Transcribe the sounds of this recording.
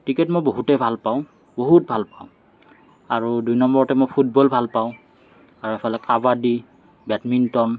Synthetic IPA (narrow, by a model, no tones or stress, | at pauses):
tikɛtmojboɦutɛbʱalpaʊ̃ | boɦut̚bʱalpaʊ̃ | aɹudujnɔmbɔɹɔtɛmojpʰut̚bɔlbʱalpaʊ̃ | aɹuɛpʰɔlɛkavadi | batmintɔn